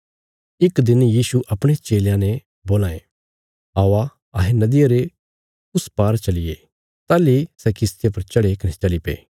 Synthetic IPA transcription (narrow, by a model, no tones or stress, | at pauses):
ɪkd̪ɪnjiːsuʔɐpɽ̃et͡ʃeːljãnɛ | boːlaːe | aːʋa | ɐɦenɐd̪ɪjaɾe | ʊspaːɾt͡ʃɐlɪje | t̪aːlisɛkɪst̪japɐɾt͡ʃɐɽekɐnet͡ʃɐlipḛː